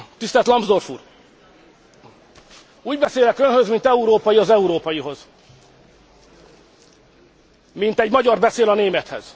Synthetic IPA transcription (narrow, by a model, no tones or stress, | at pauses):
t̪ist̪ɛlt̪lɒmbzd̪o̞rfuːr | uːɟbɛseːlɛkønhø̞zmint̪ɛuɾoːpɒjiɒzɛuɾoːpɒjiɦo̞z | mint̪ɛɟmɒɟɒrbɛseːlɒneːmɛt̪hɛ̰z̥